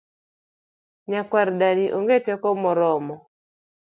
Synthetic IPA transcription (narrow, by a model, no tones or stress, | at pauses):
ɲakwaɾdaniʔoŋɡetɛkɔmɔɾɔmɔ